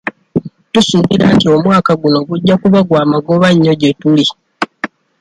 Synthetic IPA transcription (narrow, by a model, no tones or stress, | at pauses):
tusuːβiɾa̰ntio̞mwaːkaɡuno̞ɡuɟːakuβaɡwaːmaɡo̞βaɲːo̞ɟe̞tuli